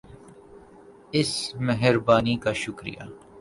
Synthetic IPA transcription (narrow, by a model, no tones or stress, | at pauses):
ɪsmeɦɪɾbaːnikaʃʊkɾḭja̰ː